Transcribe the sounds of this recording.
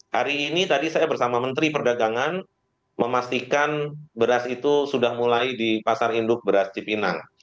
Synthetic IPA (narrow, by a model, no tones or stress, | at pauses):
haɾiːnit̪adisajabərsamamənt̪ɾipərdaɡaŋan | məmast̪ikanbəɾasit̪usudahmulaidipasarindʊk̚bəɾast͡ʃipina̰ŋ